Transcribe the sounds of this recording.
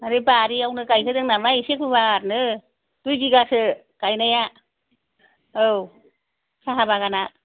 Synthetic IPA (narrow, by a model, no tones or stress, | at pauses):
aɾibaɾiawnɯkajsʰɯdɯŋnamaisekubaaɾ̚nɯ | d̥ujɡiɡasɯ | kajnaja | ɯw | sʰaɦabaɡana